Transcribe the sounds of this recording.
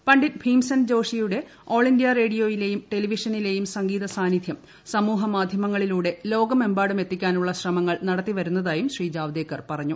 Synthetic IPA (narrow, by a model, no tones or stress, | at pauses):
pɐɳɖipʰiːmsɐnd͡ʑo̞ːʂijuɽe̞ | o̞ːɭindijɐre̞ːɽijo̞ːjile̞jumʈe̞liʋiʂɐnile̞ːjumsɐŋɡiːðɐsaːnid̪ʱjɐm | sɐmuːɦɐmaːd̪ʱjɐmɐŋːɐɭiluːɽe̞lo̞ːɡɐme̞mbaːɽume̞t̪ːikʲːaːnuɭːɐɕrɐmɐŋːɐɭnɐɽɐt̪ːiʋɐɾunːɐðaːjumɕriːd͡ʑaːʋd̪eːkːɐrpɐrɐɲːu